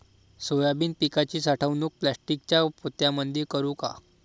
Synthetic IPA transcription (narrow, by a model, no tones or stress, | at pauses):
sojabiːnpikat͡ɕiːsaʈʰəʋnuːk̚plasʈikt͡ɕjapot̪jamənd̪ʱekəɾuːka̰